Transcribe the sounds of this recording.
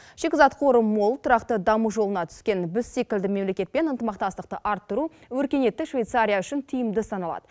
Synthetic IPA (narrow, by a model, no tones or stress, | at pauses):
ʃe̞kʲɪzɑt̪qʰo̞ɾəmo̞lˠt̪ʰʊɾɑqt̪əd̪ɑmuʒo̞lˠənɑt̪ʰʏ̥skʲe̞nbʏsːikʲɪld̪ɪme̞mle̞kʲe̞t̪̚pe̞nənt̪əmɑq̚t̪ɑst̪əqt̪əʔɑɾt̪ːəɾuwɵɾkʲe̞ne̞t̪ːɪʃvʲe̞jt̪saɾʲijaʏʃɪnt̪ʰijɪmd̪ɪsɑnɑlˠɑ̰d̪ə